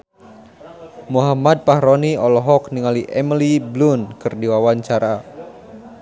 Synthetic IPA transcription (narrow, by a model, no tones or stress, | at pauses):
muɦamad̪̚paɦɾɔniɔlɔɦɔkniŋaliʔɛmiliblunkɨrdiwawaɲt͡ʃaɾa